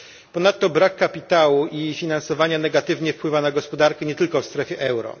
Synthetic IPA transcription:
pɔnat̪ːɔbɾakːapʲit̪awuʔifʲinansɔvaɲanɛɡat̪ɘvɲɛfpwɘvanaɡɔspɔd̪aɾkɛɲɛt̪ɘlkɔfst̪ɾɛfʲjɛʔɛwɾɔ̰

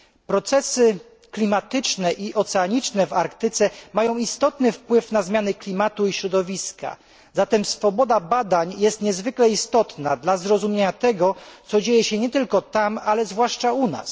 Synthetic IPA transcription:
pɾɔt̪sɛsɘ | klʲimat̪ɘt͡ʂnɛʔiʔɔt̪sɛaɲit͡ʂnɛvaɾkt̪ɘt̪sɛmajɔ̃w̃ist̪ɔt̪nɘfpwɘfnazmʲjanɘklʲimat̪uiɕɾɔd̪ɔvʲiska̰ | zat̪ɛmsfɔbɔd̪abad̪aɲjɛst̪ɲɛzvɘklɛist̪ɔt̪nad̪lazɾɔzumʲeɲat̪ɛɡɔt̪sɔd͡ʑejɛɕɛɲɛt̪ɘlkɔt̪amalɛzvwaʂt͡ʂauna̰s

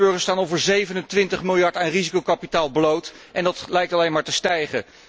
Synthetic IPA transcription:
bøɹχəstaːnowvəɹzejvənəntʋɪntəχmɪlˠjɑɹtaːnrizikowkɑpitaːlˠblowt | ʔɛndɑtlɛjk̚tɑlejnmaːɹtəstɛjχə

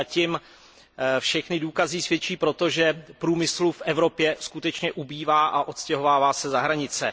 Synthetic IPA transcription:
acɪm | fʃɛxnɪduːkazɪsvjɛt͡ʃiːpɾo̞t̪o̞ʒɛpɾuːmɪslufʔɛvɾo̞pjɛskut̪ɛt͡ʃɲɛʔubiːvaːʔaʔo̞t̪scɛɦovaːvaːsɛzaɦɾaɲɪt͡sɛ

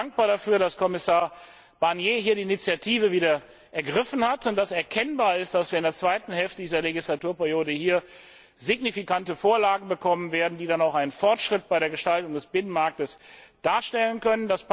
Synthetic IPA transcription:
aŋk̚b̥aːɐɾafyːɐɾaskʰɔmɪsaːɐ | b̥aɐnjeːɦiːɐɾiːɪnit͡sjatʰiːvəviːdɐ | ʔɛɐɡʁɪfn̩hatʊnt̚d̥asɛɐkʰɛnbaːɐɪstd̥asv̥iːɐɪndeɐt͡sv̥aɪtn̩hɛlftədiːzɐleɡislatuːɐpɛɐjoːdəhiːɐ | zɪɡnifikantəfoːɐlaːɡŋ̩bəkʰɔmənveːɐdn̩diːdanaʊxaɪnənfɔɐtʃʁ̥ɪt̚b̥aɪɾeːɐɡəʃtaltʊŋdɛsb̥ɪnənmaɐk̚təsd̥aːɐʃtɛlənkœnəndas

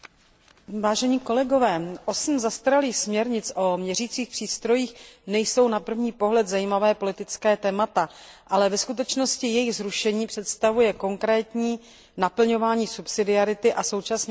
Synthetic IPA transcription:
vaːʒɛɲiːko̞lɛɡo̞vɛːʔo̞sm̩zast̪aɾaliːxsmɲɛɾɲɪt͡sʔo̞mɲɛriːt͡siːxpr̥iːst̪ɾo̞jiːxnɛjso̞wnapr̩vɲiːpo̞ɦlɛt̪zajiːmavɛːpo̞lɪt̪ɪt͡skɛːt̪ɛːmat̪aʔalɛvɛskut̪̬ɛt͡ʃno̞scɪjɛjɪɣzɾuʃɛɲiːpr̝̥ɛt̪st̪avujɛko̞ŋkɾɛːt̪ɲiː | napl̩ɲo̞vaːɲiːsupsɪdɪaɾɪt̪ɪʔaso̞wt͡ʃasnː

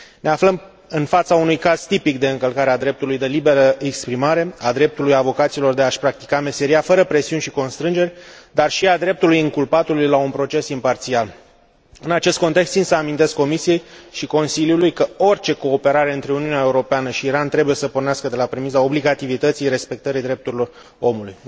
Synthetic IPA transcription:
ne̞afləm | ɨnfat̪saunujkaz̥t̪ipikd̪e̞ɨŋkəlkaɾead̪ɾe̞p̚t̪ulujd̪e̞libe̞ɾəekspɾimaɾe̞ad̪ɾe̞p̚t̪ulujavo̞kat̪silo̞rd̪e̞aʃpɾak̚t̪i̥kame̞se̞ɾiafəɾəpɾe̞siunʲʃiko̞nst̪ɾɨnd͡ʒeɾʲd̪arʃiad̪ɾe̞p̚t̪ulujɨŋkulpat̪ulujlaunpɾo̞t͡ʃe̞simpart̪sial | ɨnat͡ʃe̞st̪ko̞nt̪e̞kst̪sinsəamint̪e̞skːo̞misije̞jʃiko̞nsiljulujkəo̞rʲt͡ʃe̞ko̞ːpe̞ɾaɾe̞ɨnt̪ɾe̞uniunʲae̞uɾo̞peanəʃiːɾant̪ɾe̞buje̞səporneaskəd̪e̞lapɾemizao̞bliɡat̪ivit̪ət̪sijɾe̞spe̞k̚t̪əɾijd̪ɾe̞p̚t̪uɾilo̞r | o̞̰muluj

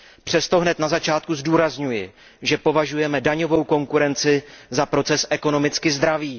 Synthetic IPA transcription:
pr̥ɛst̪o̞ɦnɛt̪nazat͡ʃaːt̪̚kuzduːɾazɲujɪ | ʒɛpo̞vaʒujɛmɛdaɲo̞vo̞wko̞ŋkuɾɛnt͡sɪzapɾo̞t͡sɛsʔɛko̞no̞mɪt͡skɪzd̪ɾaviː

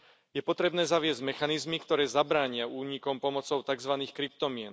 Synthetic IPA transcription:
jɛpɔt̪ɾɛbnɛːzaʋɪɛzɟmɛxanizmikt̪ɔɾɛːzabɾaːɲɪauːɲikɔmpɔmɔt͡sɔʊt̪aɡzʋaniːxkɾip̚t̪ɔmɪɛn

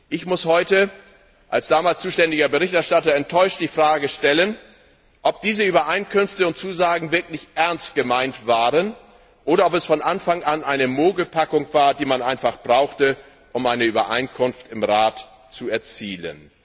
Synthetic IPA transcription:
ʔɪçmʊshɔʏtə | ʔalsd̥aːmaːlst͡suːʃtɛndɪɡɐbəʁɪçtɛɐʃtatɐɛntʰːɔʏʃt̚d̥iːfʁ̥aːɡəʃtɛlən | ʔɔp̚d̥iːzəyːbɐʔaɪnkʰʏnftəʊntt͡suːzaːɡŋ̩vɪɐklɪçʔɛɐnst̚ɡ̥əmaɪntv̥aːʁən | ʔoːɾɐɔpɛsfɔnʔanfaŋʔanʔaɪnəmoːɡəpʰakʊŋv̥aːɐdiːmanʔaɪnfaχb̥ʁaʊxtə | ʔʊmaɪnəyːbɐʔa̰ɪnkʰʊnftɪmʁaːt | t͡suɛɐt͡siːlə̰n

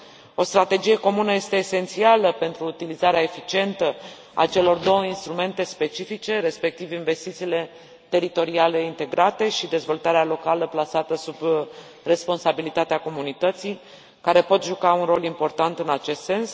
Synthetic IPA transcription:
o̞st̪ɾat̪e̞d͡ʒije̞ko̞munəje̞st̪e̞ːse̞nt̪sialəpe̞nt̪ɾuːt̪ilizaɾeaefit͡ʃie̞nt̪ə | a̰t͡ʃe̞lo̞rd̪o̞wəinst̪ɾume̞nt̪e̞spe̞t͡ʃifit͡ʃe̞ɾe̞spe̞k̚t̪ivinve̞st̪it̪siːle̞ | t̪e̞ɾit̪o̞ɾiale̞int̪e̞ɡɾat̪e̞ʃid̪e̞zvo̞lt̪aɾealo̞kaləplasat̪əsub | re̞spo̞nsabilit̪at̪eako̞munit̪ət̪si | kaɾe̞po̞t̪ʒukaunro̞limpo̞rt̪ant̪ɨnat͡ʃe̞st̪se̞ns

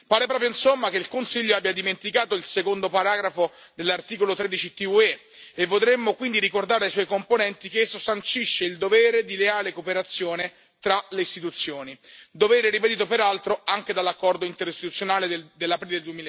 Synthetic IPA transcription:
paːɾepɾɔːpɾjoinsomːak̟eilkonsiʎːoabjad̪iment̪ikaːt̪oilsekond̪opaɾaːɡɾafod̪elːart̪iːkolot̪ɾed̪it͡ʃit̪iue | evːod̪ɾemːokwind̪iɾikord̪aːɾeajswɔjkomponɛnt̪ikeesːosant͡ʃiʃːeild̪ovɛːɾed̪ileaːlekopeɾat̪sːjoːne | t̪ɾaleist̪it̪ut̪sːjoːnid̪ovɛːɾeɛɾiped̪iːt̪̬opeɾalt̪ɾoaŋk̟ed̪alːakːɔrd̪oint̪eɾist̪it̪ut̪sːjonaːled̪elːapɾiːleeld̪uemil

